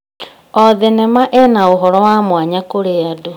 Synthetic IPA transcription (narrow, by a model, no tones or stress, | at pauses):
ɔðenɛmaʔenaoɦɔɾɔwaːmwaɲakoɾeado